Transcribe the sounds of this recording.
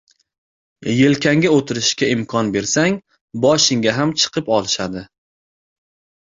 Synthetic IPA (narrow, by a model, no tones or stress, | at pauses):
je̞lkʲaŋɡʲaot̪ʰɪɾɪʃkʲaɪmkʰɒnbe̞ɾsaŋ | bɒʃɪŋɡʲaɦamt͡ʃʰɨ̥qʰɨpɒlˠɪʃad̪ɪ